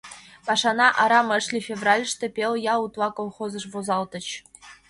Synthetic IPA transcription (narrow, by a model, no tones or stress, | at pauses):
pɑʂɑnɑʔɑɾɑmɘ̆ʂlʲifʲevrɑlʲʂt̪ɘ̆pʲelʲˠjɑut̪lɑkolˠχozɤ̆ʂvozɑlˠt̪ɤ̆t͡ɕ